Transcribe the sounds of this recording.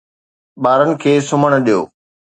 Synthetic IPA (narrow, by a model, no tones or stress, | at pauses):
ɓaːɾənɪ̆kʰeːsʊməɽ̃ʊɗijo̰ː